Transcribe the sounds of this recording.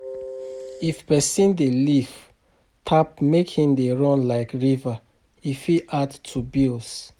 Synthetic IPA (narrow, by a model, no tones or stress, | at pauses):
ifpɛsĩndeliv | tʰap̚mekʰhĩndeɹɔ̃nlaɪkɹiva | ifiʔadtʰubils